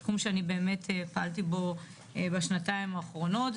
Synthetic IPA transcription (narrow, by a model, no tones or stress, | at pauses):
kumʃeanibe̞ːme̞tʰepaaltibo̞ | ebeʃnataimaːχʁo̞no̞t